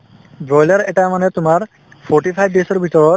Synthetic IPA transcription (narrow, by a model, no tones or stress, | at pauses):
bɹɔjlaɹɛʈamanɛt̪ʊmaɹ | pʰɔɹʈipʰajb̚desɔɹbʱit̪ɔɹɔt